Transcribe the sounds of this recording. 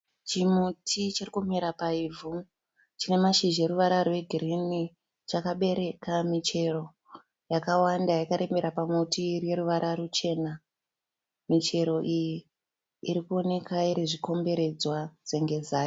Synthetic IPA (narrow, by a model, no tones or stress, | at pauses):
t͡ʃimutʰit͡ʃirikumiɾapaivu | t͡ʃine̞maʃiʒe̞ɾuʋaɾarwe̞ɡʱirini | t͡ʃakaɓe̞ɾe̞kamit͡ʃe̞ro̞ | jakawandajakaɾe̞mbe̞ɾapamutiːrje̞ɾuʋaɾʔarut͡ʃe̞na | mit͡ʃe̞ɾo̞ʔijiː | ɾikuo̞ne̞kaiɾeʐiko̞mbe̞ɾe̞d͡zwad͡zeŋɡe̞zaːjo